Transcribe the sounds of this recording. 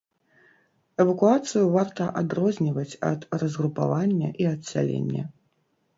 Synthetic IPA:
ɛvɐkuat̪sɨjuvart̪ɐʔad̪rɔzʲnʲivɐt͡sʲɐ̰t̪rɐzɣɾupa̰vanʲːɐ̰ʔiɐt̪ʲsʲa̰lʲḛnʲːɐ̰

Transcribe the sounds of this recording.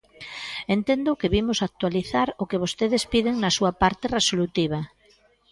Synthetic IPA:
ent̪end̪ʊkeβimʊsak̚t̪waliθaɾʊkeβ̞ost̪eð̞espið̞eŋnɐsuapaɾt̪eresolut̪iβ̞ɐ

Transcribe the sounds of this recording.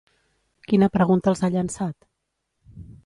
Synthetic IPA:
kinəpɾəɣunt̪əːlˠzaʎənsat̪

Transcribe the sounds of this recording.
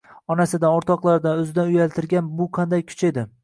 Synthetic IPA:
ɒnasɪd̪anoɾt̪ʰɒqlˠaɾd̪anɵzɪd̪anʊjalt̪ʰɪɾɡʲanbʊqʰɑnd̪ajkʲʰʊ̥t͡ʃʰe̞d̪ɪ

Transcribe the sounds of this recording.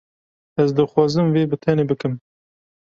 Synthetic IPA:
ɛzd̪ɨxwɑːzɨmveːbɨt̪ʰɛneːbɨkɨm

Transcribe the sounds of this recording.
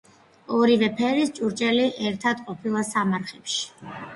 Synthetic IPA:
ɔɾivɛpʰɛɾist͡ʃʼuɾt͡ʃʼɛliʔɛɾt̪ʰad̪qʼɔpʰilˠasamaɾχɛpʃi̥

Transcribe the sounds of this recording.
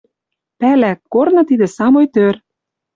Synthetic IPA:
pælækkːornɤ̆t̪id̪ɘ̆sɑmojt̪ør

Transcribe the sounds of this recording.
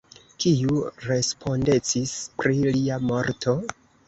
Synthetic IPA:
kiuɾe̞spʰo̞nde̞t͡sispɾiliamo̞ɾtʰo̞

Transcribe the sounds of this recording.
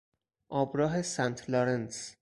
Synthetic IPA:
ʔɒːbɾɒːɦe̞sænt̪ʰloɾens

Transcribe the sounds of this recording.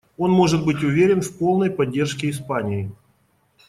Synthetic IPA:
o̞nmo̞ʐɨt̪̚bɨtʲʊvʲeɾʲɪnfpolˠnəjpɐdʲːe̞rʂkʲɪɪspanʲɪɪ

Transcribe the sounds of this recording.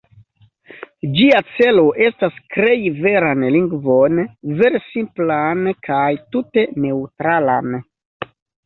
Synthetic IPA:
d͡ʒiat͡se̞lo̞ʔe̞staskɾe̞jve̞ɾanliŋɡvo̞nve̞ɾesimplankʰajtute̞ne̞wutɾalan

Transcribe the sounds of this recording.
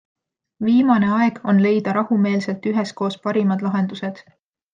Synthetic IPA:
viːmɑne̞ɑe̞ɡ̥o̞nle̞jd̪̥ɑɾɑhume̞ːlse̞lt̪yɦesko̞ːspɑɾimɑd̪̥lɑɦe̞nd̪̥use̞d̪̥

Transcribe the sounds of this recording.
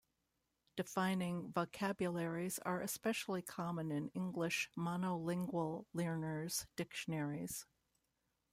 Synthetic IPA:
d̥ɨfãɪ̃nɪ̃ŋvoʊkʰæbjɨlˠɛɹiz̥ə̰˞ʔɨspɛʃl̩ˠikʰɑmə̃nɨ̃nɪ̃ŋɡlɪʃmɑnoʊlɪ̃ŋɡwəl̩ˠlɜɹnə˞z̥d̥ɪkʃɨnɛɹiz̥

